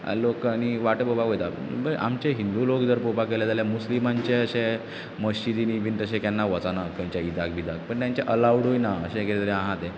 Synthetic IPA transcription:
lokañiʋaʈəpobakojt̪a | bəʔa̰mt͡ɕeɦind̪ulokd͡z̪əɾpopakelad͡z̪aljamuslimaɲt͡ɕeəɕe | məɕt͡ɕid̪inibʱint̪əɕ̬ẽkjanːaʋət͡sanakəɲt͡ɕjaid̪akbʱid̪ak̚pəɳjaɲt͡ɕeʔəlawɽɦojnaəɕẽkeɾit̪əɾeãɦãt̪ẽ

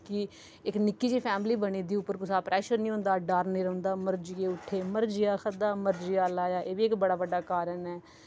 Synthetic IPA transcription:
kɪ | ɪknɪkːiːt͡ʃiːpʰɛːmliːbəɽiːd̪iːʊpːəɾkʊsaːpɾʔɛːʃəɾnĩːõːnd̪aːɖaːɾnĩːɾə̃nd̪aːməɾd͡ʒɪeːʊʈʰːeːməɾd͡ʒɪjaːkʰəd̪aːməɾd͡ʒɪjaːlaːjaːʔeːʋiːɪkbəɽaːʋəɖːaːkaːɾənɛː

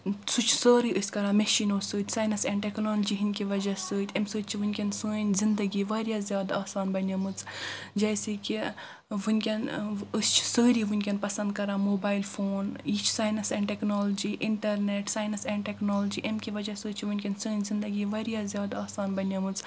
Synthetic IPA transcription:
sut͡ʃʰsəːɾiːʔɨsʲkɐɾaːmeʃiːnoːsəːt̪ʲsaːjnɐsɛ̃ːɳʈeknoːld͡ʒiɦinʲkʲiʋɐd͡ʒasəːt̪ʰʲɐmsəːt̪̚ʲt͡ʃʰiʋɨnʲkʲensəːnʲzind̪ɐɡiːʋaːɾjazʲjaːd̪aːsaːnbɐnʲɐmɨt͡sd͡ʒɐːseki | ʋɨnʲkʲɐnɨst͡ʃʰsəːɾiʋunʲkʲenpɐsɐnd̪̚kɐɾãːmoːbaːilfʰoːniːt͡ʃʰsaːjnɐsɛ̃ːɳʈeknoːlod͡ʒiːʔɪɳʈɐɾneʈsaːjnɐsɛ̃ɳɖʈeknoːld͡ʒiʔɐmkʲiʋɐd͡ʒasəːt̪t͡ʃʰiʋunʲkʲensəːnʲzind̪ɐɡiːʋaːɾijazjaːd̪aːsaːnbɐnʲɐmɨt͡s

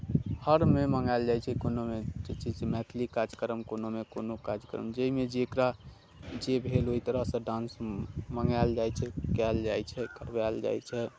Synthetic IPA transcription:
həɾmeməŋɡald͡ʒajt͡ʃʰɛkonomed͡ʒet͡ʃʰid͡ʒmɛt̪ʰlikad͡ʒkəɾəmkonomekonokad͡ʒkə̰ɾə̰md͡ʒəimed͡ʒeːkɾa | d͡ʒebʱeloit̪əɾəɦsə̃ɖãnsməŋald͡ʒajt͡ʃʰɛkɛld͡ʒajt͡ʃʰɛkəɾbald͡ʒa̰jt͡ʃʰɛ

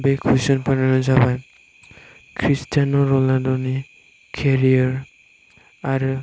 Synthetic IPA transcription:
bekʰisɔnpananɔzabaj | kʰɹistanɔɾɔladɔni | kʰeɹiɔɹ | aɾ

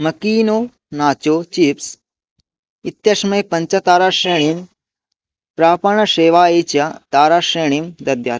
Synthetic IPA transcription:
mɐkiːnoː | naːt͡ʃoːt͡ʃips | it̪jɐʃmɐjpɐɲt͡ʃɐt̪aːɾaːʃɾeːɳim | pɾaːpɐɳɐʃeːʋaːeːt͡ʃɐt̪aːɾaːʃɾeːɳimd̪ɐd̪jaːt̪

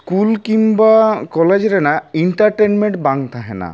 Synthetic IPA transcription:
skulkimbakɔled͡ʑɾenaiɳʈaɾʈenmeɳʈbaŋt̪ʰaɦena̰

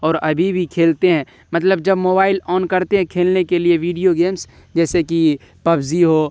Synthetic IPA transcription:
ɔːɾɐbʱibʱikʰeːlt̪eɦɛ̃ː | mɐt̪ləbd͡ʒɐbmoːbaːɪlɔːnkɐɾt̪eɦɛ̃kʰeːlnekelieʋiːɖijoɡeːms | d͡ʒɛːseki | pɐbziɦoː

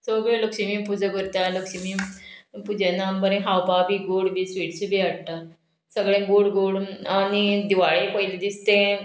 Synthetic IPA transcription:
səɡɭẽləkɕimiːpud͡zaɡəɾt̪jaləkɕimipud͡ʑanambəɾẽɦawpabʱiːɡoɽbisʋiːʈt͡ɕebʱiaɽt̪a | səɡɭẽɡoɽɡoɽañid̪iʋaɭepəjlid̪ist̪ẽ

